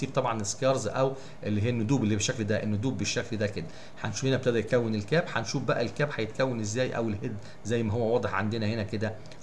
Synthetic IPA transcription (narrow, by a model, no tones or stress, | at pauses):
iːb̚t̪ˤɑbʕɑneskɑɾˤzʔæw | ʔelːiɦijːænːʊd̪uːbelːibeʃːækld̪æʔenːod̪uːbːeʃːækld̪æked̪æ | ħanʃuːfhenæbet̪eʔd̪æj̪̚kæwːenelkæːbħɑnʃuːfbæʔæelkæːbħɑjet̪̚kæwːenezːæːjʔæ̰welhed̪ | zæjːmæɦowːæwɑːd̪ˤeħʕand̪enæhenæked̪æ